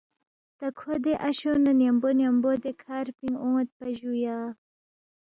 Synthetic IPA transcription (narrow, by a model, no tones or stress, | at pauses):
t̪ɐkʰod̪eʔɐɕonɐnjambonjambod̪ekʰaɾpiŋɡõːt̪̚pɐʑuja